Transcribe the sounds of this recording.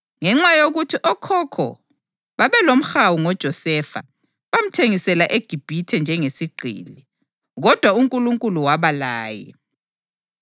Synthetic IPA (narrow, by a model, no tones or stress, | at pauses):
ŋɛŋ͡ǁajoɣutʰiʔɔkʰɔkʰɔ̰ | βaβɛlom̩xawuŋɔd̥ʒ̥ʱɔsɛfa̰ | βam̩tʰeŋisɛlaʔeɡ̥ʱib̥ʱitʰɛnd͡ʒʱɛŋesiɡ͡ǃʱḭːli | ɣɔd̥ʱwauŋkʼuluŋkʼuluwaβalaːjɛ̰